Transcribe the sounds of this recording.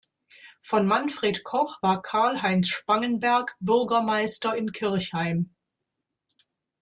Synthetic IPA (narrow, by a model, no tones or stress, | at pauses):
fɔnmanfʁ̥eːtkʰɔχv̥aːɐkʰaɐlɦaɪnsʃpaŋənbɛɐkbʏɐɡɐmaɪstɐɪnkʰɪɐçhaɪm